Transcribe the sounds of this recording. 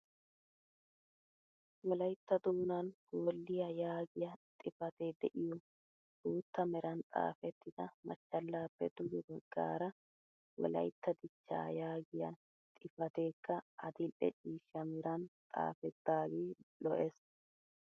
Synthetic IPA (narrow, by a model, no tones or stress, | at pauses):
wɔlɐjt̪ːɐd̪uːnɐnɡ̥oːlːɪjɐjaːɡɪjɐt̪ʼɪfɐt̪eːd̪ɛʔɪjɔ | uːt̪ːɐmɛɾɐnt̪ʼa̰ːfɛt̪ːɪd̪̥ɐmɐ̰t͡ʃːɐlːaːpːɛ̰d̪ʊɡɪɡɔɡːa̰ːɾɐ | wɔ̰lɐ̰jt̪ːɐd̪ɪt͡ʃːa̰ːjaːɡɪjɐ̰ | t̪ʼɪfɐt̪eːkːɐʔɐd̪ɪlʔɛ̰t͡ʃʼiːʃɐmɛɾɐnt̪ʼa̰ːfɛt̪ːaːɡiːlɔʔes